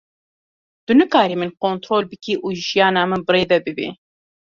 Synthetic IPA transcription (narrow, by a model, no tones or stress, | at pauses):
d̪̥ɨnɨkaːɾiːmɨnkoːnt̪ɾoːlbɨkiːʔuːʒijɑːnɑːmɨnbɨɾeːd̪ɛbɨbḭ